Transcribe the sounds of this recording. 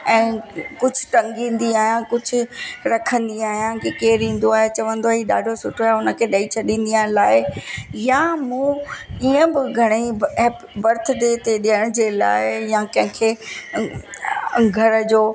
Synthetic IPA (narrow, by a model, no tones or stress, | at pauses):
ɛ̃ːkʊd͡ʑʱʊʈɐ̃ŋɡĩːn̆d̪iaːɦijãkʊd͡ʑʱʊ̆ɾɐkʰə̃nd̪iaːɦijãkekeːɾĩːn̆d̪oaːɦet͡ɕɐʋə̃nd̪oaɦiɗa̰ːɖʱosʊʈʰoaːɦeʊnə̆kʰeɗɐit͡ɕʰɐɗĩːn̆d̪ialaːɪjamũiə̃bɪɡʱɐɽ̃ep | bɐɾt̪ʰd̪eːt̪eɗijəɽ̃d͡ʑeːla̰ːɪjãkɐ̃ɦɪ̃kʰeː | ɡʱɐɾəd͡ʑoː